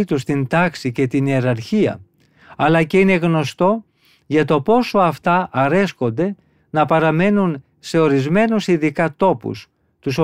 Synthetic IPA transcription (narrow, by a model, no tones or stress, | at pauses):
it̪us̬t̪ind̪ɐksice̞t̪inieɾɐɾçiɐ̰ | ɐlɐce̞ineɣno̞st̪o̞ | ʝɐt̪o̞po̞so̞ɐft̪ɐʔɐɾe̞sko̞nd̪e̞ | nɐpɐɾɐme̞nun | se̞o̞ɾizme̞nusiðikɐt̪o̞pṵs | t̪uso